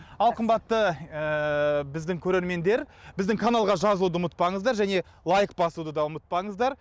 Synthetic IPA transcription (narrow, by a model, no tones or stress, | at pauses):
ɑlˠqʰəmbɑt̪ːəəbɪzd̪ɪŋkʲʰɵɾe̞ɾme̞nd̪e̞ɾbɪzd̪ɪŋkʰanalˠʁɑʒɑzlˠud̪əʊmət̪̚pɑɴəzd̪ɑɾʒæne̞ | lˠajk̚bɑsud̪əd̪ɑʊmət̪̚pɑɴəzd̪ɑɾ